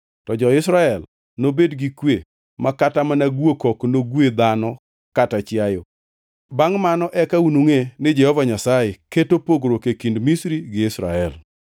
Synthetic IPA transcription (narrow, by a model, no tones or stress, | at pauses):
tɔd͡ʒɔɪsɾaɛl | nobedɡikwe | makatamanaɡwekɔknoɡwed̪anɔ | katat͡ʃjajɔ | baŋmanɔʔɛkaunuŋenɪd͡ʒɛhɔvaɲasajeketopoɡɾokekindmisɾiɡɪɪsɾa̰ɛl